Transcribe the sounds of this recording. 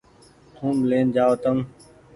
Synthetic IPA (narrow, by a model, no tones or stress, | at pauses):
t̪ʰũːmleːnd͡ʒaːʋət̪əm